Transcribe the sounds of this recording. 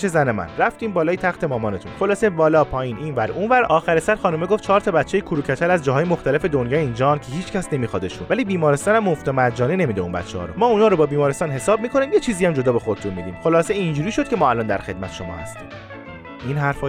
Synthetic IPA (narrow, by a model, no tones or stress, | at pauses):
t͡ʃezænemæ̰nɾæft̪iːmbɒːlɒːjet̪ʰæxt̪ʰe̞mɒːmɒːne̞t̪ʰunxo̞lɒːse̞bɒːlɒːpʰɒːjiːnʔiːnvæɾuːnvæɾɒːxæɾesæɾxɒːnumeɡo̞ft̪̚t͡ʃʰɒːɾt̪ʰɒːbæt̪t͡ʃʰːejekʰuɾucʰætʰælɾæzd͡ʒɒːɦɒːjemo̞xt̪æle̞fe̞d̪onjɒːind͡ʒɒːncʰeɦiːt͡ʃcʰæsne̞miːxɒːd̪e̞ʃunvæliːbiːmɒːɾest̪ɒːnæmːoft̪ɒmæd͡ʒɒːnene̞miːd̪eṵnbæ̰t̪t͡ʃʰːḛhɒ̰ɾo̰mɒːunhɒːɾobɒːbiːmɒːɾest̪ɒːnɦe̞sɒːb̚miːkʰo̞niːmjet͡ʃʰiːzijæmd͡ʒo̞d̪ɒːbe̞xod̪et̪ʰunmiːd̪iːmxo̞lɒːseind͡ʒuːɾiːʃo̞d̪̥kʰʲemɒːælɒnd̪æ̰ɾxe̞d̪̚mæt̪ʃo̞̰mɒ̰ːhæ̰st̪ḭːm | inɦæɾfɒ